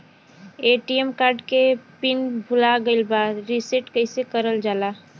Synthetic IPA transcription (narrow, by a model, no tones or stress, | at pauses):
eːʈiemkaːɾɖkepɪnbʱʊlaɡəɪlbaɾisiʈkəɪsekəɾəld͡ʒaːla